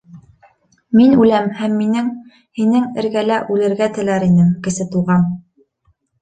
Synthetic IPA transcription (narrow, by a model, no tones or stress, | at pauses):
minʉlæmhæmːinɘŋ | hinɘŋɘ̆ɾɡælæʔʉlɘ̆ɾɡæt̪ɘ̆læɾinɘŋkɘ̆sɘt̪uʁɑm